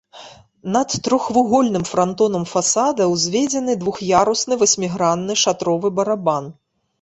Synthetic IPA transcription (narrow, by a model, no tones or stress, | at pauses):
nɐt̪ːɾɔxvuɣɔlʲnɨmfɾant̪ɔnɐmfasad̪ɐwzʲvʲed͡zʲɛnɨd̪vuxjaɾusnɨvɐsʲmʲiɣɾanːɨʂat̪ɾɔvɨbɐɾaban